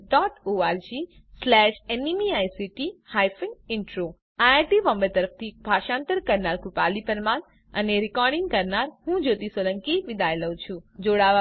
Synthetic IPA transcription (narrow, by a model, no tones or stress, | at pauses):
ɖɔːʈoaːɾd͡ʒi | slɛːʃenimiajsiʈihaːjfɪnɪɳʈɾo | aaɾʈiʋə̃mbəɾt̪əɾəft̪ʰibʱaːʃãːnt̪əɾkəɾnaɾkʊpaːlipəɾmaːn | əneɾɪkɔːɾɖɪ̃ŋɡkəɾnaɾɦũd͡ʒoːt̪isələ̃ŋkiʋɪd̪ʱaːjləũt͡ʃʰũd͡ʒoɽaʋa